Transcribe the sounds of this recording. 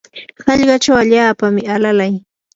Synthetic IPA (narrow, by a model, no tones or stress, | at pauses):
hɑʎɢɑt͡ʃawaʎaːpamɪalalaj